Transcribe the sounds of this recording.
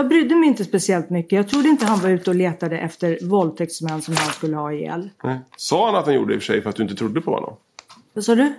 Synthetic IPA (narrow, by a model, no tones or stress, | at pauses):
jɑɡbɾʏd̪ːəmɛjɪnt̪əspɛsɪɛlt̪mʏkːəjɑɡt̪ʰɾud̪əɪnt̪əɦanvaɾʉ̟ːt̪əɔleːt̪ad̪əʔɛft̪əɾvɔlt̪ʰɛk̚t̪smɛnːsɔmhanskɵlːəhɑːɪjɛ̰lːsɑːhanat̪d̪anjṵːɖəɪfœʂɛ̰jfœɾat̪d̪ɵɪnt̪ət̪ʰɾʊd̪ːəpʰɔhɔ̰nːɔ̰m | vasɑːd̪ɵ